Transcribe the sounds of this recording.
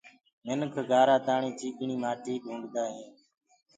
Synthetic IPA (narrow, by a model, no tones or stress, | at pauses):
mɪnkʰɡaːɾaːt̪aːɳĩːt͡ʃiːkɳiːmaːʈiːɗʱũːɳɖd̪aːɦĩː